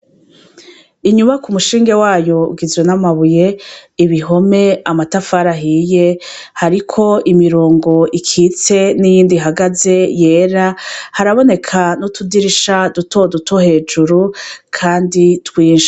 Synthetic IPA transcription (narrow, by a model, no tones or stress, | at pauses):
iɲuβakumuʃiːŋɡewaːjo̞ɡizwe̞namaβuje̞iβiɦo̞me̞amatafaɾaɦiːje̞ | haɾikʰo̞imiɾoːŋɡo̞ʔikʰiːt͡se̞nijiːndiɦaɡaze̞je̞ːɾahaɾaβo̞ne̞kʰanutʰudiɾiʃaduto̞dutʰohe̞ːd͡ʒuɾukʰaːnditwiːnʃḁ